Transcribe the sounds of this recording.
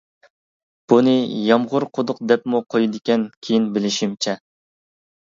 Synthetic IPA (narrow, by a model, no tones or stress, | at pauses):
b̥unɨjɑmʁʊɾqʰod̪ʊq̚d̪ɛpmuqʰojid̪ɪkʲɛnkʲʰejinbɪlɪʃimt͡ʃʰɛ